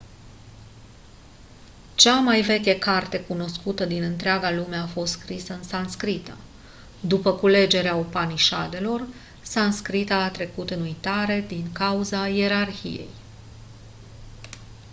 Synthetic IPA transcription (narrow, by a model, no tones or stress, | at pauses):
t͡ʃamajve̞kʲekart̪e̞kuno̞skut̪əd̪inɨnt̪ɾeaɡalume̞afo̞st̪skɾisəɨnsanskɾit̪ə | d̪upəkule̞d͡ʒe̞ɾeaopaniʃad̪e̞lo̞r | sanskɾit̪aːt̪ɾe̞kut̪ɨnujt̪aɾe̞d̪iŋkauzaje̞ɾarçḭje̞̰j